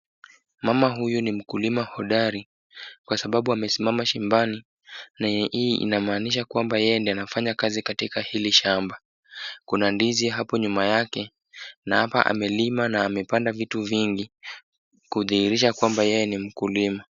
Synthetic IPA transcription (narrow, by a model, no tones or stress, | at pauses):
mamaɦujunim̩kulimahɔɗaɾi | kwasaɓaɓuamɛsimamaʃimbani | naiḭnamaːniʃ̬akwambajɛjɛndianafaɲakazikatikahiliʃamba | kunandiziɦapɔɲumajakɛ | nahapa̰ʔa̰mɛlimanaːmɛpandavituviŋɡi | kuðiiɾiʃakwambajɛjɛnim̩kulima